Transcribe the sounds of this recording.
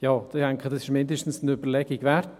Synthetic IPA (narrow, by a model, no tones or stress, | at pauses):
jɑːd̥ɛŋkədɑsɪʃmɪndəʃtn̩sn̩ybəɾlɛɡɪɡvɛrt